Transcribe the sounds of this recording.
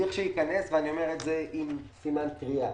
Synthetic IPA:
iχʃejikane̞sveanio̞meʁetzeʔimsimankʁia

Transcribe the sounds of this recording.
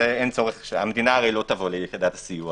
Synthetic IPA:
eent͡so̞ʁeχʃea̰med̪inaːʁijlo̞t̪avolejekid̪at̪asiju

